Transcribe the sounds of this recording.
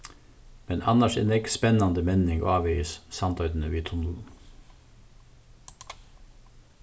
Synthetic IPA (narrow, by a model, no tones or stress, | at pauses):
mɛnɑnəʃɛ̰nɛkspɛnɑnd̪əmɛnɪŋo̰ɑːʋɛɪəssɑnt̪ʰœʏd̪n̩əʋiːt̪ʰʊnuː